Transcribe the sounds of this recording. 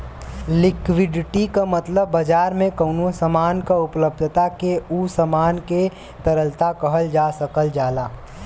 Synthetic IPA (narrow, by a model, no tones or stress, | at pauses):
lɪkwɪɖɪʈikamɐt̪ləbːəd͡ʒaːɾmẽkəʊnosəmaːnkaʊpləb̚d̪ʱt̪akeusəmaːnke | t̪əɾəlt̪akɐɦəld͡ʒaːsəkəld͡ʒaːlaː